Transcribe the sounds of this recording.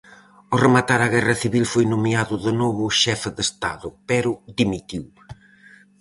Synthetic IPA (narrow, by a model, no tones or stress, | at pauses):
ʊremat̪aɾaɣɛrɐθiβilfojnomiaðʊðenoβʊʃɛfɪðest̪a̰ðʊpɛɾʊðimit̪iw